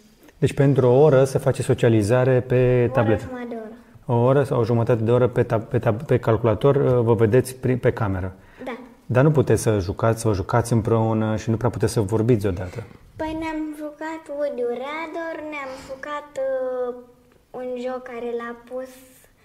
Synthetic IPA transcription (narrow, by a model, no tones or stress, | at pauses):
d̪e̞t͡ʃʲpe̞nt̪ɾuooɾəsefat͡ʃeso̞t͡ʃializaɾe̞pe̞t̪able̞t̪d̪oooɾəsawoʒumət̪at̪e̞d̪e̞o̞ɾəpet̪apet̪ape̞kalkulat̪o̞rʲvəve̞d̪e̞t̪sʲpɾipe̞kame̞ɾə | d̪a | d̪anuput̪esəʒukat̪sʲsəʒukat̪sʲɨmpɾe̞unəʃinupɾeaput̪e̞ssəvo̞rbit̪sʲod̪at̪əpəjneamʒukat̪wud̪uɾad̪orneamʒukat̪ | unʒokːaɾelapus